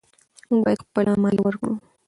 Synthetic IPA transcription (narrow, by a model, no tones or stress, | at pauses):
muŋbɑjapəlɑnmɑliwəɾkɽu